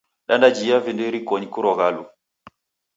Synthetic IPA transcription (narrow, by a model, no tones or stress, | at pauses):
ɗandad͡ʒijavinduiɾikɔɲikuɾɔɣalu